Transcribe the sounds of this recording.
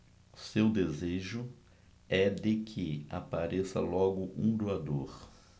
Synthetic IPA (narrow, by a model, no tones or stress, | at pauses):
sewd̪ezeʒʊ | ɛd̪ɪkʰɪa̰paɾesɐ̰lɔɡʊʔũd̪oad̪oɾ